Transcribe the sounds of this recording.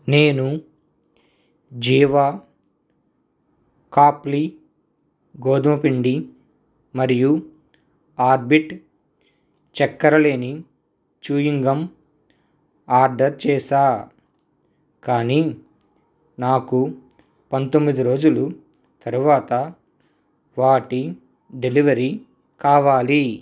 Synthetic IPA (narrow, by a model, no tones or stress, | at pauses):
neːnu | d͡ʒiːʋaː | kaːpli | ɡoːd̪ɐmɐpiɳɖi | mɐɾiju | aːɾbiʈ | t͡ʃɛkːɐɾɐle̞ːni | t͡ʃuːjiŋɡɐm | aːɾɖɐɾt͡ʃɛːsaː | kaːni | naːku | pɐnt̪omːid̪iɾo̞ːd͡ʒulu | t̪ɐɾuʋaːt̪ɐ | ʋaːʈi | ɖeliʋɐɾi | kaːʋaːli